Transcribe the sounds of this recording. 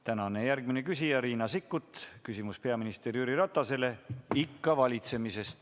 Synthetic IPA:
t̪ænɑne̞jærɡmine̞kysʲijɑɾiːnɑsikːut̪ːˑkysimuspe̞ɑminist̪e̞ɾjyɾiɾɑt̪ˑːɑse̞le̞ikːɑvɑlʲit̪se̞mise̞st̪

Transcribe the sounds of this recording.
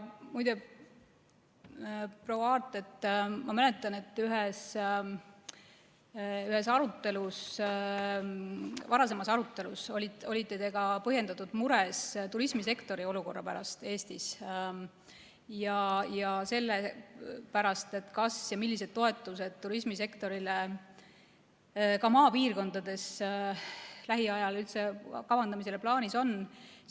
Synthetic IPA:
mujd̪̥e | pro̞wɑɑːrt̪ːˑe̞t̪ːmɑmæle̞t̪ːˑɑne̞t̪ːyɦes | yhe̞sɑɾut̪ːˑe̞lus | vɑɾɑs̬e̞mɑsɑɾut̪ˑːe̞luso̞lʲiolʲit̪ːˑe̞t̪e̞ɡ̥ɑpɤɦje̞nd̪ɑt̪ːˑud̪̥muɾest̪uɾismise̞kt̪o̞ɾio̞luko̞rːɑpæ̰ɾɑst̪e̞ːst̪is | jɑjɑse̞lːepæɾɑst̪e̞t̪kɑsjɑmilːise̞d̪̥t̪ːo̞et̪ːˑuse̞d̪̥̚t̪uɾismise̞kt̪o̞ɾile | kɑmɑːpiːrko̞nd̪̥ɑd̪e̞s | læɦiɑjɑlylt̪se̞kɑvɑnd̪̥ɑmise̞leplɑːniso̞n

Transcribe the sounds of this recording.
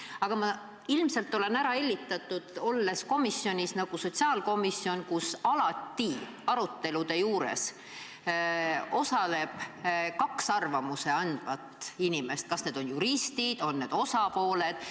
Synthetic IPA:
ɑɡ̥ɑmɑ | ilmse̞lt̪ˑːo̞le̞næɾɑe̞lʲːit̪ːˑɑt̪ːˑud̪̥o̞lːe̞sko̞misjo̞nʲisnɑɡ̥uso̞t̪ʲsiɑːlko̞misːjo̞nkusɑlɑt̪ːi | ɑɾut̪ːe̞lud̪e̞juːɾḛs | o̞sɑle̞b̥kɑksɑrvɑmuse̞ɑnd̪̥vɑt̪ˑinime̞st̪̚kɑsne̞d̪̥o̞njuɾist̪id̪̥o̞nːe̞ːd̪̥o̞sɑpo̞ːle̞d̪̥

